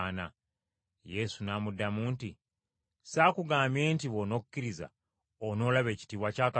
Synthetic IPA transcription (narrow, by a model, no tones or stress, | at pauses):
na | je̞sunaːmudːamuːnti | saːkuɡaːmbje̞ːntiβono̞ku̥cːiɾiza̰ | ono̞ːlaβe̞ːci̥tiːβwacaːka